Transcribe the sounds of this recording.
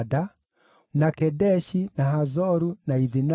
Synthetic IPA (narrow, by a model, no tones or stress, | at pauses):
da | nakɛdɛʃinaɦazɔɾunaiðina